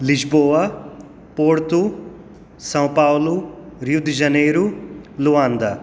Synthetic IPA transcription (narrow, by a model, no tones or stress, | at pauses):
lid͡ʒboːʋa | poːɽt̪u | sɐ̃wpaːwluɾjud̪d͡ʒɐneːjɾuluʋaːnd̪ɐ